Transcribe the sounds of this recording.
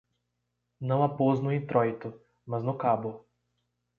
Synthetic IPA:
nəlapoznuit̪ɾɔjt̪u | maznukabu

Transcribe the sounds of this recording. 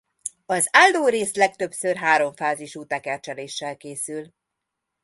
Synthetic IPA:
ɒzaːld̪oːɾeːslɛk̚t̪øbsørɦaːɾo̞ɱfaːziʃuːt̪ɛkɛrt͡ʃɛleːʃːɛlkeːsyl

